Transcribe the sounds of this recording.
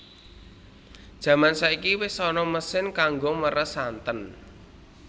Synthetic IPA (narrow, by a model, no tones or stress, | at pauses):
d̥ʒ̥ä̤mansaikiwɪsɔnɔməsɪnkaŋɡoməɾəsant̪ən